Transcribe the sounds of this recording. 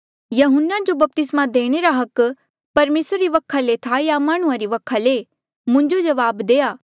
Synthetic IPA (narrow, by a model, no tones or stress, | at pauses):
jɐɦʊnːad͡ʒobɐp̚t̪ɪsmad̪eːɽ̃eɾaɦɐk | pɐɾmeːsɾːiʋɐkʰːalet̪ʰajamaːɽ̃ʊ̃ãɾiʋɐkʰale | mʊ̃ɲd͡ʒod͡ʒɐʋaːbd̪eːaː